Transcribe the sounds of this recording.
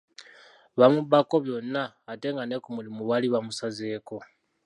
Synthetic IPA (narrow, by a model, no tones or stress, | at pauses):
βamuβako̞βjo̞nːaːte̞ŋɡanekumulimuβaliβamusaze̞ːko̞